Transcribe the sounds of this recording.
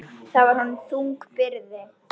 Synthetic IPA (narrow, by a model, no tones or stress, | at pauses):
θaðvaɾ̥hɔnmθuŋkpɪɾðɪ